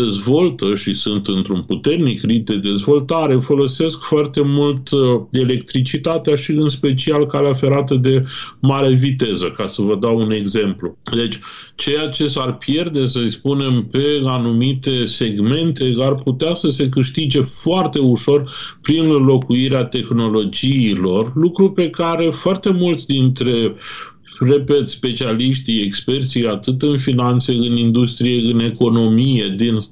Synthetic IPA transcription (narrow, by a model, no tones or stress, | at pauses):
ezvo̞lt̪əʃisɨnt̪ɨnt̪ɾunput̪e̞rnikrip̚d̪e̞d̪e̞zvo̞lt̪aɾe̞folo̞se̞skfoart̪e̞mult̪e̞le̞kt̪ɾit͡ʃit̪at̪eaʃiɨnspet͡ʃialkaleafe̞ɾat̪əd̪e̞maɾe̞vit̪e̞zəkasəvəd̪aune̞ɡze̞mplud̪e̞t͡ʃʲ | t͡ʃe̞jat͡ʃe̞sarpje̞rd̪e̞səispune̞mpe̞anumit̪e̞se̞ɡme̞nt̪e̞arput̪easəse̞k̬ɨʃt̪id͡ʒe̞foart̪e̞uʃo̞r | pɾinlo̞kuiɾeat̪e̞xno̞lo̞d͡ʒiːlo̞rlukɾupe̞kaɾe̞foart̪e̞mult̪sʲd̪int̪ɾe̞ | re̞pe̞t̪spe̞t͡ʃialiʃt̪iekspe̞rt̪siat̪ɨt̪ɨnfinant̪se̞ɨnind̪ust̪ɾije̞ɨne̞ko̞no̞mije̞d̪in